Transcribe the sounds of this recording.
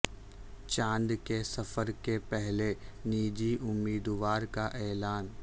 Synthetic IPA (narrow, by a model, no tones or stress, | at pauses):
t͡ʃãːnd̪kesɐfəɾkepɛɦleniːd͡ʒiʔʊmːiːd̪ʋaːɾkaʔɛːlaːn